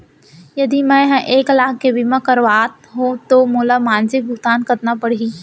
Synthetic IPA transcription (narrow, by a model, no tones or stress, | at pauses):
jɐd̪imɛ̃ɦʔeːklaːkebɪmãkɐɾʋaːt̪ɦõt̪omoːlamaːnsɪk̚bʱʊɡt̪aːnkɐɾnapɐɽ̤i